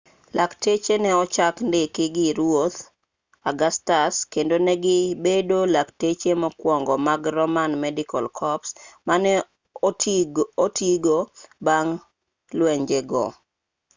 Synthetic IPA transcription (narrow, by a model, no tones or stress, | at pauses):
laktet͡ʃenɛɔt͡ʃakndɪkɪɡɪɾwot̪ | aɡastaskendonɛɡɪbedolaktet͡ʃemɔkwɔŋɡɔmaɡrɔmanmɛdikalkʰɔpsmanɛ | tiɡobaŋ | lwɛɲd͡ʒeɡɔ̰